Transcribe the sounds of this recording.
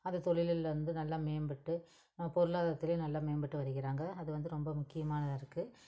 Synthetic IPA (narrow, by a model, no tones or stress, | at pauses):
ɐnðɐt̪ɔɭɪlɪlɐɾɯnd̪ɯnɐlːaːmeːmbɪʈːɯ | nɐmːɐpɔɾɯlaːðɐt̪ːɪlenɐlːaːmeːmbɪʈːɯʋɐɾɯɣɪɾaːŋɡɐɐðɯʋɐnd̪ɯɾɔmbɐmʊkːɪjɐmaːnɐðaɪɾɯkːɯ